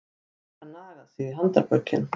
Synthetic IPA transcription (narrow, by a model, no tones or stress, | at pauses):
hanaːɣaðsɪðɪ̥ɦant̪aɾpœ̥cːɪ̰n